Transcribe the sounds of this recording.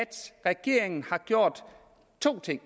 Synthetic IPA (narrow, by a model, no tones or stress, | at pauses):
d̥sʁɛɡ̥e̝ɐ̰eŋn̩hɑ̈ɡ̥jo̝ɐ̰d̥ | t͡sʰo̝̰ːt͡sʰeŋ̰